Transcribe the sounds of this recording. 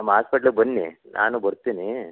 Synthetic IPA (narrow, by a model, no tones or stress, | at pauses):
nɐmːɐɦaːspɐʈɐluɡbɐnːḭnʔa̰ːnubɐɾt̪iːni